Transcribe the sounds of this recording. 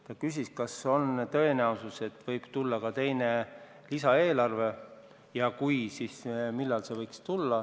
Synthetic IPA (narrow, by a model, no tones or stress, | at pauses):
t̪ɑkys̬ʲiskɑso̞nt̪ø̞e̞næususe̞t̪ːvɤjb̥t̪ulːɑkɑt̪e̞jne̞ | lisɑe̞ːlɑrve̞ | jɑkujsismilːɑlse̞vɤjkst̪ulːɑ